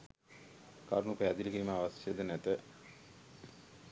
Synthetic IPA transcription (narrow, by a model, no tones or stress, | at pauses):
kaɾnukəæd̪ilkiməaʋasjed̪ənæt̪ə